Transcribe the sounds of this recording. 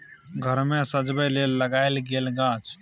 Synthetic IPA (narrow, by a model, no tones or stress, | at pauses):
ɡʱəɾmesəd͡ʒbəlelːəɡaɪlɡelɡãːt͡ʃ